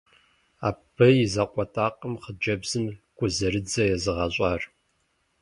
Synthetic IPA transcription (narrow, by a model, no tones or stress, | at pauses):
aːbʰɨizɐqʷʼɔtʼaːqʼəmχəd͡ʒɐbzɨmɡ̥ʷʰʼʊzɐɾɨd͡zɐjɛzɨʁɐɕʼɑːr